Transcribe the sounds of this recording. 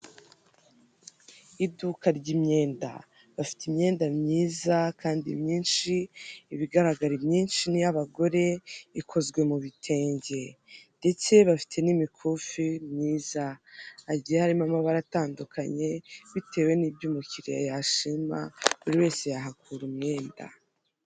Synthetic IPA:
idukaɾɟimɲe̞ːnda̰ | βafi̥timɲe̞ːndamɲiːzakʰaːndḭmɲiːnʃiːβiɡaɾaɡaɾibɲiːnʃinijaβaɡo̞ɾe̞ikʰo̞zɡwe̞muβitʰe̞ːɲɟe̞nde̞t͡se̞βafi̥tʰe̞nimikʰufimɲiːzaː | ɟijehaɾimamaβaɾataːndukʰaɲe̞βitʰe̞ːwe̞niːbɟuːmuciɾijajaʃima̰uɾiwe̞ːse̞jaɦakʰuɾumŋe̞ːnda̰

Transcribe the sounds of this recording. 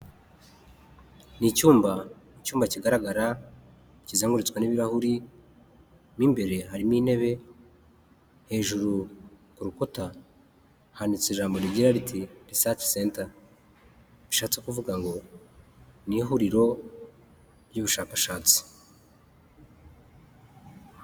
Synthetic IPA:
nicuːmba | icuːmbaciɡaɾaɡaɾa | cizeːŋɡuɾit͡skwaniβiɾahuɾi | miːmbe̞ɾe̞haɾimiːne̞βe̞ | he̞ːʒuɾu | kuɾukota | hanit͡seʒaːmbo̞ɾiɟiɾaɾitʰiɾisati̥seːnta | βiʃaːt͡se̞kuvuɡaŋɡo̞ | niɦuɾiɾo̞ | ɾjuβuʃaːkaʃaːt͡si̥

